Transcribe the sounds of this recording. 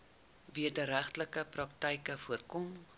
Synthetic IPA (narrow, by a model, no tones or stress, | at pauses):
viədəɾæχtləkəprɐk̚təjkəfuərkɔm